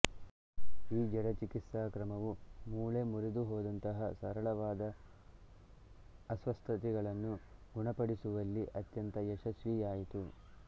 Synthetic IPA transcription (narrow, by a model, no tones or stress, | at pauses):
iːd͡ʒɐɽɐt͡ʃikit̪saːkɾɐmɐʋumuːɭemuɾid̪uɦoːd̪ɐnt̪ɐɦɐsɐɾɐɭɐʋaːd̪ɐ | sʋɐst̪ʰɐt̪iɡɐɭɐnːuɡuɳɐpɐɽisuʋɐlːiʔɐt̪jɐnt̪ɐjɛʃɐsʋijaːjit̪u